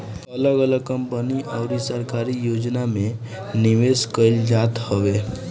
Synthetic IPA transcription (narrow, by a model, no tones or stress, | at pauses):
ələɡələɡ̚kə̃mpəniʔɔːɾisəɾkaːɾijoːd͡ʒnamẽ | nɪʋeːskəɪld͡ʒaːt̪hoʋeː